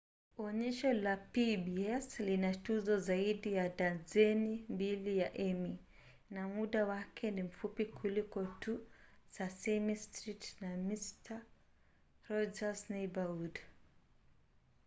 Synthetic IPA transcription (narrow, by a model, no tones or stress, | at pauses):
ɔɲɛʃɔlapibiɛslinatuzɔzaiɗijadazɛnimbilijaʔɛmi | namuɗawakʰɛnim̩fupikʰulikɔtusasɛmistɾitnamista | ɾɔd͡ʒasnɛbaud